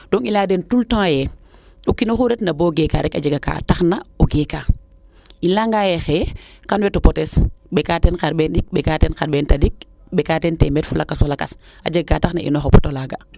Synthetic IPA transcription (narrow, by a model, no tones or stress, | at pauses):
dɔŋilaːdɛntultõjɛ | ɗukːinoxuɾɛtnaboɡɛka̰ːɾɛkad͡ʒaɡaka̰taxnaoɡɛkaː | ilaŋɡaːjɛxɛːkanwɛtopɔtɛsɓɛkatɛnkaɾɓɛːnɗik̚ɓɛkatɛnkaɾɓɛːntadik̚ | ɓɛkatɛntɛmɛtfulʔakasɔlakas | ʔa̰d͡ʒaɡakaːtaxna̰ʔḭnɔxɔpɔtolaːɡa